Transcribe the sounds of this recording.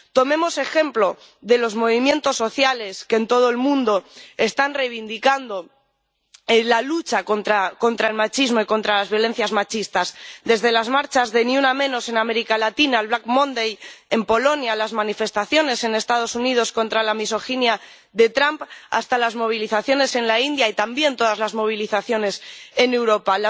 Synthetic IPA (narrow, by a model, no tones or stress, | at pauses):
t̪o̞mẽ̞mo̞se̞xe̞mplo̞ | ðe̞lo̞zmoβ̞imjẽ̞nt̪o̞sːo̞θjale̞ske̞nt̪o̞ð̞oe̞lmũnd̪o̞e̞st̪anrejβind̪ikand̪o̞ | lalut͡ʃakont̪ɾako̞nt̪ɾae̞lmat͡ʃizmo̞iko̞nt̪ɾalazβjo̞le̞n̟θjazmat͡ʃist̪azd̪e̞zðe̞lazmaɾt͡ʃazðe̞njunamẽ̞no̞se̞name̞ɾikalat̪inaelβlakmõ̞nd̪eje̞mpo̞lo̞njalazmãnife̞st̪aθjo̞ne̞se̞ne̞st̪að̞o̞sunið̞o̞sko̞nt̪ɾalamiso̞xinja | ðe̞t̪ɾampa̰st̪alazmo̞β̞iliθaθjo̞ne̞se̞nlaind̪jait̪ambje̞nt̪o̞ð̞azlazmo̞β̞iliθaθjo̞ne̞se̞ne̞wɾo̞pala